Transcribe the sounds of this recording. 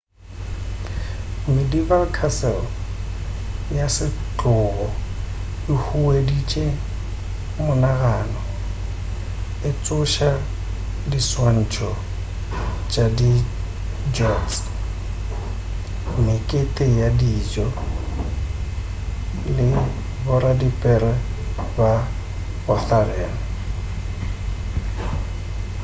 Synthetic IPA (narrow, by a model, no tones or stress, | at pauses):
mɪdibalkʰasɛl | jasɪt͡ɬʼʊɣɔ | ɪhuedit͡ʃʼe | mʊnaɣaːnɔ | ɪt͡sʼʊʃa | diswan̩t͡ʃʰɔ | t͡ʃʼadi | d͡ʒɔds | mɪkʼetʼejadid͡ʒɔ | lɪ | bʊɾadipʼɛɾɛba | bʊθalɛːnɔ